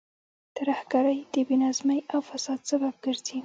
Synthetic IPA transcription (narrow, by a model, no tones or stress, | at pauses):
t̪aɾahɡaɾəjd̪̥əbinɑzməjawfasɑd̪sabab̚ɡəɾz̥i